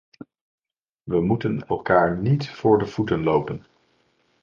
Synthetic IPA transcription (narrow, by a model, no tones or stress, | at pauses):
ʋəmutənɛ̰lˠkaːɹnitfʊːɹdəv̥utənlowpən